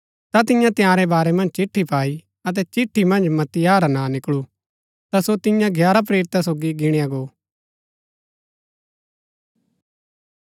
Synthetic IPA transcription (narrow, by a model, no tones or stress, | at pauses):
t̪at̪ɪ̃jãt̪ɪjãːɾɛbaːɾɛmɐ̃nd͡ʒt͡ʃɪʈʰːipaːi | ɐt̪̬ɛt͡ʃɪʈʰːimɐ̃nd͡ʒmɐt̪ɪjaːɾanãnɪkɭu | t̪asot̪ɪjãɡʱjaːɾap̬ɾeːɾɪt̪asoːɡiɡɪɽ̃ijãɡoː